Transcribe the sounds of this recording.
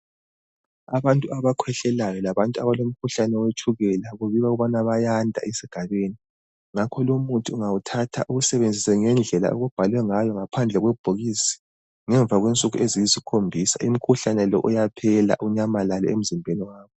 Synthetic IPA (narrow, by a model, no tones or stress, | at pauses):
aβantʼuaβakʰwɛɬɛlajɔlaβantʼuaβalom̩kʰuɬanɛwet͡ʃʰʼuɣɛlaɣuβiɣauɣuβanaβajandʱa̰ʔesiɡ̥ʱaβeni | ŋakʰɔlomutʰiuŋawutʰatʰa̰ʔuɣusɛβend͡zʱisɛŋɛnd͡ɮʱɛla̰ʔuɣub̥ʱalwɛŋajɔŋapʰand͡ɮʱɛɣwɛub̥ʱoɣisi̥ | ŋɛɱvʱaɣwint͡sʼuɣuʔezijizikʰombʱisa̰im̩kʰuɬanɛlɔ̰ʔujapʰɛla̰ʔuɲamalalɔ̰em̩zimbʱeniwaːβɔ